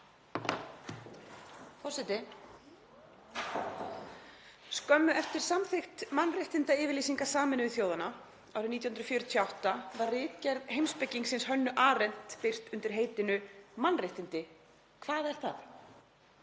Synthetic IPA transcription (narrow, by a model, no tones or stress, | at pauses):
fɔrsɛt̪ɪ | skœmːʏʔɛft̪ɪɾ̥samθɪxt̪manrɪht̪ɪnt̪aɪːvɪɾliːsiŋkḁsaːmɪnɪvɪθjoːwðana | awɾɪniːjahʏnɾfjœɾʏt̪ʰjawht̪avarrɪːcɛɾðɦejmspɛcːiŋksɪnshœnːʏʔaːɾɛn̥t̪pɪr̥t̪ʏnt̪ɪɾ̥ɦejt̪ɪnʏmanrɪht̪ɪnt̪ɪ | kʰvaːðɛɾ̥θa̰θ